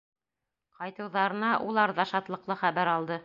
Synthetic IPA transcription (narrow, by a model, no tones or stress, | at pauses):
qɑjt̪ɤ̆wðɑɾɤ̆nɑʔulˠɑɾðɑʃɑt̪lˠɤ̆qlˠɤχæβæɾɑlˠd̪ɤ